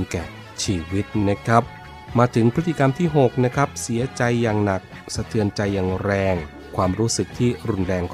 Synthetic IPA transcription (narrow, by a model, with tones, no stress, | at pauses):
nkɛ̰ː˨˩ | t͡ɕʰiː˧wi˦˥t̪̚na˦˥kʰɾa˦˥p̚ | maː˧t̪ʰɯ˩˦ŋpʰɾt̪ʰːi˨˩ka˧mt̪ʰiː˥˩ɦo˨˩k̚na˦˥kʰa˦˥p̚si˩˦ɐt͡ɕa˧jːaː˨˩ŋna˨˩k̚ | sa˧t̪ʰɯ˧ənt͡ɕa˧jːaː˨˩ŋɾɛː˧ŋ | kʰwaː˧mɾuː˦˥sɯ˨˩k̚t̪ʰiː˥˩ɾu˧nɾɛː˧ŋkʰ